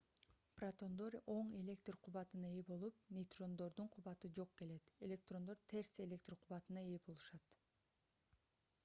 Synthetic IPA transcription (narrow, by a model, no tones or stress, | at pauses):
prat̪o̞nd̪o̞ɾʲo̞ɴe̞lʲe̞kt̪rqʰuβɑt̪ɯnɑebo̞lˠup̚nʲejt̪ro̞nd̪o̞ɾd̪uɴqʰuβɑt̪ɯd͡ʒo̞q̚ke̞le̞t̪e̞lʲe̞k̚t̪ro̞nd̪o̞ɾt̪ʰe̞ɾse̞lʲe̞k̚t̪rqʰuβɑt̪ɯnɑebo̞lˠuʃɑt̪